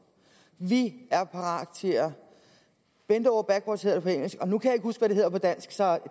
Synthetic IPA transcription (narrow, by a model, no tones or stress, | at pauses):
ʋiæɐpʰɑ̈ʁɑ̰̈ːd̥t͡sʰe̝æ | b̥end̥əɒ̰ʊɐb̥æɡ̥wod̥she̝ð̰ˠɐepʰɒ̽eŋ̰l̩sɡ̥ɒ̽nukʰæjɑ̈eɡ̥husɡ̥ʋæɾe̝e̝ð̞̰ˠɐpʰɒ̽d̥æn̰sɡ̥sɒ̽